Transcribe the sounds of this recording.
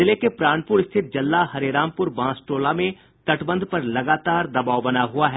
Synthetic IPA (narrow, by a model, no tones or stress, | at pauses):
ɪlekepɾaːñpʊɾɪst̪ʰɪt̪̚d͡ʒɐlːaɦɐɾeɾãːmpʊɾbãːsʈoːlamẽ | t̪ɐʈbə̃nd̪pɐɾlɐɡaːt̪aːɾd̪ɐbaːʋbɐnaɦuaɦɛ